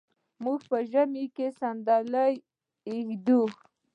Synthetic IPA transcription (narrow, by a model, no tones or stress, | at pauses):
muɡpəʒamikesand̪alaj | ɪxd̪u